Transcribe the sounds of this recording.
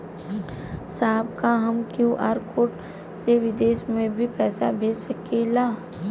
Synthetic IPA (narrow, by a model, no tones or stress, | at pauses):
saːbkaɦɐmkjũʔaːɾkoːʈ | seʋɪd̪eːʃmẽbʱipɛːsabʱeːd͡ʒsɐkeːlaː